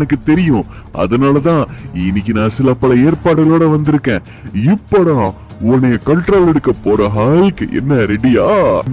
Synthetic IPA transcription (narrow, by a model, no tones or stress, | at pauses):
nɐkːɯt̪ɛɾɪjʊ̃ | ʔɐ̰ðɐnaːlɐt̪ãːɪnːɪk̬ʲːinãːsɪlɐpːɐlɐeːɾpaːʈɯɣɐloːɽɐʋɐnd̪ɪɾɯkːẽː | ɪpːɔɽãː | ʊnːɐjɐkɐlʈɾoːlɛɽɯkːɐpːoːɾɐɦaːlɪkːɯ̰ʔɛ̰nːɐɾɛɖɪjaː